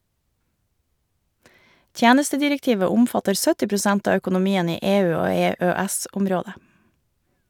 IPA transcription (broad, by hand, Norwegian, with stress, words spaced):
ˈtjæːnəstədɪɾɛkˌtiːʋə ˈʊmfɑtəɾ ˈsœtɪ pɾʊˈsɛnt ˈɑː œkʊnʊˈmiːən ˈiː ˈeːˌʉː ˈoː ˌeːˌøːˈɛsʊmˌɾoːdə